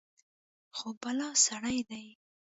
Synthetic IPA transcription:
xobalɑsaɽajd̪aj

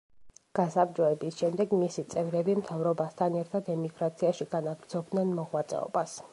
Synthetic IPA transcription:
ɡ̥asapd͡ʒɔɛbisʃɛmd̪ɛɡmisit̪sʼɛvɾɛbimt̪ʰavɾɔbast̪ʰanɛɾt̪ʰad̪ɛmiɡɾat̪sʰiaʃiɡ̥anaɡɾd̪zɔb̚d̪nɛnmɔʁwat̪sʼɛ̰ɔ̰bas

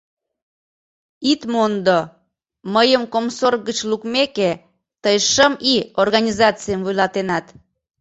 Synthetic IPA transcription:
it̪mond̪o | məjəmkomsorɣət͡ɕlukmeke | t̪əjʃəmiorɣɑnʲizɑt͡sijəmvujlɑt̪enɑt̪

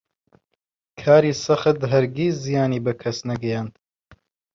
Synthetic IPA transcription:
kʰaːɾiːsɐχət̪ɦɐɾɡiːszijaːniːbɐkʰɐsnɐɡɐjaːnd̪̥

